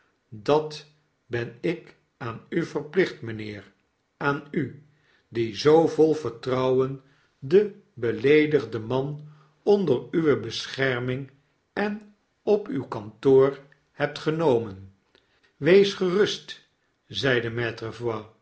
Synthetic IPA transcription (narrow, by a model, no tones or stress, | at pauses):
dɑt | bɛnɪk | aːnyvəɹplɪχtmənɪːr | aːny | dizowvɔlˠvəɹtrɑwən | də | bəlejdəχdəmɑn | ɔndəryʋəbəsχɛɹmɪŋ | ɛn | ɔpywkɑntoːr | hɛp̚tχənowmən | ʋejsχərɵst | zɛjdəmɛtrəvwa